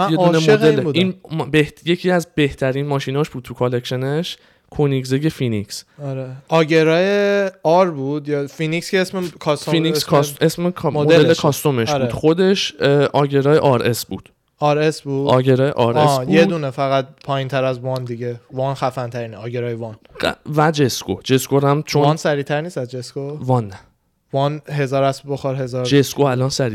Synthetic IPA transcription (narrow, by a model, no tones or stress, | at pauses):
jeunemod̪elebudinmbehjecʰiːæzbe̞ht̪ʰæɾiːnmɒːʃinɒːʃb̥uːd̪̚t̪ʰukʰolecʃe̞neʃ | kʰonikzeje̞finicsɔɾeʔɒːɟeɾɒːjeɒɾbuːd̪jɒːfinicskʰeesmekʰɒsofiniskʰssesmekʰmmdoelekʰɒst̪o̞meʃbuːd̪xo̞d̪e̞ʃʔɒːɟeɾɒːjeʔɒːɾesbuːd̪̥ | ɒɾesbuːdɒːɟeɾɒːjḛʔɒɾsbjed̪uːnefæɣæt̪̚pʰɒːjint̪ʰæɾæzvɒːnd̪iɟevɒːnxæfænt̪ʰæɾiːneɒːɟeɾɒːjevɒn | væd͡ʒeskod͡ʒe̞skoɾæmt͡ʃʰoɒnsæɾiːt̪ʰæɾniːsæzd͡ʒeskovɒnːæ | vɒnɦe̞zɒːɾæsboxɒɾɦe̞zɒːɾd͡ʒeskoælɒnsæɾi